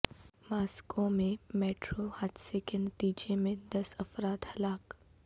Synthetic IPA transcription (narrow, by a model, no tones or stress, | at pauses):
maːskõmẽmɛːʈɾohaːd̪sekenɐt̪iːd͡ʒemẽd̪ɐsɐfɾaːd̪hɐlaːk